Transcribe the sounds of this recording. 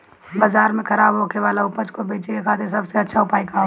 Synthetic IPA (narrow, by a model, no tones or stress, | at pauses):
bazaːɾmẽkʰɐɾaːbɦoːkeʋaːlaʊpət͡ʃkobeːt͡ʃekekʰaːt̪ʰeɾsɐbseɐtːʃʰaʊpaːikaɦo